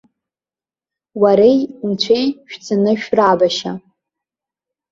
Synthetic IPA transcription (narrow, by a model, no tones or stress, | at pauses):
waɾejunt͡ɕʷʰejʃᶣt͡sʰɨnɨʃᶣrabaʃa